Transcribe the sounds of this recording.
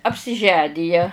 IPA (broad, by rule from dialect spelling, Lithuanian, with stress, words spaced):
ɐpʲsʲɪˈʒʲæːnʲɪjɛ